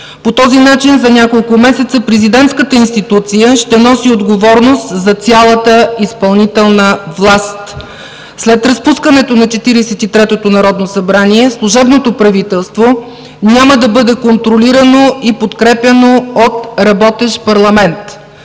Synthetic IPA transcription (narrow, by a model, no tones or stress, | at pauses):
pot̪ɔzinat͡ʃinzɐnʲjakolˠkʊmɛsɛt̪səpɾɛzid̪ɛnt̪skət̪əinst̪it̪ut̪sijəʃt̪ɛnɔsiod̪ɡovɔɾnost̪zɐt̪sʲjalˠət̪əispɐlˠnit̪ɛlˠnəvlˠast̪ | slɛt̪ɾɐspuskənɛt̪onɐt͡ʃɛt̪iɾɛsɛt̪it̪ɾɛt̪ot̪onɐɾɔd̪nosɐbɾaniɛslˠʊʒɛbnot̪opɾɐvit̪ɛlˠst̪vo | nʲaməd̪ɐbɤd̪ɛkont̪ɾoliɾɐnoipot̪kɾɛpʲɐnoot̪ɾɐbɔt̪ɛʃpɐɾlˠɐmɛnt̪